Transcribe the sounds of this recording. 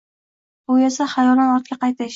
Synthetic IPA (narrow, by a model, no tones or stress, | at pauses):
bʊesaχajɒlanɒt̪̚kʲaqɑjt̪ʰɪʃ